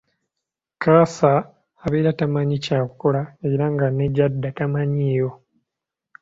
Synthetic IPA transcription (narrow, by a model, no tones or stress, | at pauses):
kasaː | βeːɾatamaɲicaːkuko̞laeiɾaŋɡaneɟadːatamaɲiːjo̞